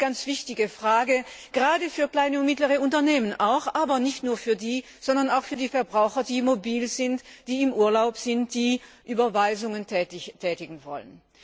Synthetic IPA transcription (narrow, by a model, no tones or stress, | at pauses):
ɡ̥ant͡sv̥ɪçtɪɡəfʁ̥aːɡəɡ̥əʁaːdəfyːɐklaɪnəʊntmɪtləʁəʊntɐneːmənʔa̰ʊxʔaːbɐnɪçtnuːɐfyːɐdiː | z̥ɔndɐnaʊxfyːɐdiːfɛɐbʁaʊxɐdiːmobiːlz̥ɪntd̥iːɪmʔuːɐlaʊpz̥ɪntd̥iːʔyːbɐvaɪzʊŋənɛɪtʰɛːtɪɡŋ̩vɔ̰lən